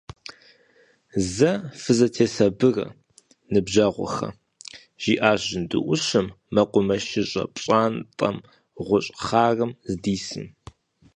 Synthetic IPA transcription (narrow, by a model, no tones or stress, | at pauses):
zɐfɨzɐtʰeːsɐbɨrɐ̰ | nɨbʒɐʁʷɔ̰xɐ̰ | ʒ̥iːʔaːʒɪndɨ̰ʔʷʊʃɨmːɐqʷʊmɐʃɪɕʼɐ̰pʼɕʼaːntʼɐ̰m | ʁʷʊɕʼχaːrɐmzdiːsɨ̰n